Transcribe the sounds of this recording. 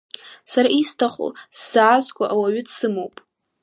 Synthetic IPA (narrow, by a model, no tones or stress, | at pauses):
saɾaistʰaχʷo̰sz̥aːzkʷʼaʔawaɥɪdsɨmowpʼ